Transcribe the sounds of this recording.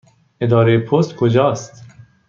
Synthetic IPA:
ed̪ɒːɾejepʰost̪kʰod͡ʒɒːst̪

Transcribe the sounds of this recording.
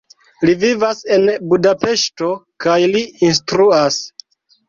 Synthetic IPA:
livivase̞nbudape̞ʃto̞kajliinstɾuas

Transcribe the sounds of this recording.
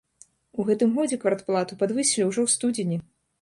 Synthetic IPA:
uɣɛt̪ɨmɣɔd͡zʲɛkvart̪plˠat̪upad̪vɨsʲilʲiwʐɔwst̪ud͡zʲɪnʲi

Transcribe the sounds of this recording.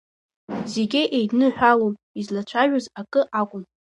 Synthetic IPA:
zeɡʲɪʔejdnɨħʷᶣalom | izlat͡ʃʷʰaʒᶣozakʼɨʔakʷʼʊm

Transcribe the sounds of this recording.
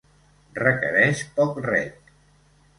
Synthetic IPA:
rəkə̰ɾɛʃpɔkrɛ̰t̪

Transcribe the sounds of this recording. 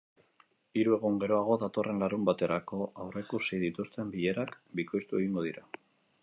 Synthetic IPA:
iɾue̞ɣ̞uŋɡe̞ɾo̞aɣ̞o̞ðat̪o̞re̞nlaɾumbat̪e̞ɾako̞awre̞kusiðit̪ust̪e̞mbiʎe̞ɾak | biko̞jst̪ue̞ɣiŋɡo̞ð̞iɾa

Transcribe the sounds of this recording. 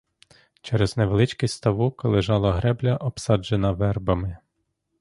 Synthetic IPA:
t͡ʃɛɾezneʋelˠɪt͡ʃkisʲst̪ɐʋukɔlˠɪʒɑlˠɐɦɾɛblʲɐʔɔbsɑd͡ʒenɐʋɛrbɐmɪ

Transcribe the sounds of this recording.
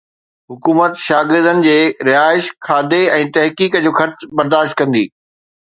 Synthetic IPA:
ɦʊkuːmət̪ʃaːɡɪɾd̪ənɪ̆d͡ʑeːɾɪɦaːɪʃkʰaːd̪eɛ̃ːt̪ɐɦkiːkəd͡ʑoːxɐɾt͡ɕbɐɾd̪aːʃt̪̚kɐ̃nd̪ḭː

